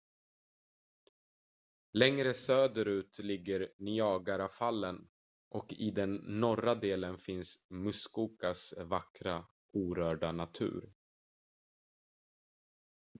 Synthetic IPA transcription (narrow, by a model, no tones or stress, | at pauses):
lɛŋɾəsøːd̪əɾʉ̟ːt̪lɪɡːəɾnʏɑːɡaɾafalːən | ʔɔkɪd̪ɛnːɔɾad̪eːlənfɪnsmɵskuːkasvakɾa | uːɾœːɖanat̪ʰʉ̟̰ːɾ